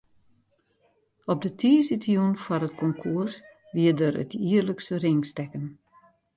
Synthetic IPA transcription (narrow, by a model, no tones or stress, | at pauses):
ɔp̚dətʰiəsitjunfɔɾətkʰɔŋkʰuərs | ʋiədəɾə̰tiərləkstərɪŋstɛkən